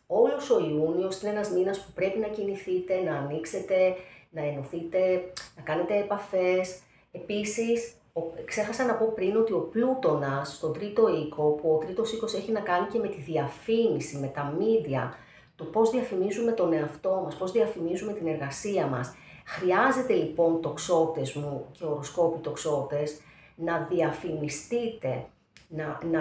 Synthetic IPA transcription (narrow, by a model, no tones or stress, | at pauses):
o̞loso̞iunio̞sineenɐzminɐspupɾe̞pinɐciniθit̪e̞nɐːnikse̞t̪e̞nɐenoθit̪e̞nɐkɐne̞t̪e̞ːpɐfe̞s | e̞pisis | okse̞xɐsɐnɐpo̞pɾino̞t̪io̞plut̪o̞nɐsːt̪o̞nd̪ɾit̪o̞iko̞puot̪ɾit̪o̞siko̞se̞çinɐkɐnice̞me̞t̪iðiɐfinisime̞t̪ɐmid̪iɐ̰ | t̪o̞po̞zðiɐfinizume̞t̪o̞ne̞ɐft̪o̞mɐspo̞zðiɐfimizume̞t̪ine̞ɾɣɐsiɐmɐ̰s | xɾiɐze̞t̪e̞lipo̞nt̪o̞kso̞t̪e̞zmuce̞oɾosko̞pit̪o̞kso̞t̪e̞s | nɐðiɐfinist̪it̪e̞ | nɐn